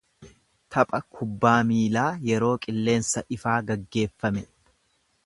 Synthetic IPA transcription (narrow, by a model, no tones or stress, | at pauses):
t̪ʰɐpʼɐkʰʊbːaːmiːlaːjɛɾo̞ːkʼɪlːe̞ːnsɐʔɪfaːɡɐɡːe̞ːfːɐmɛ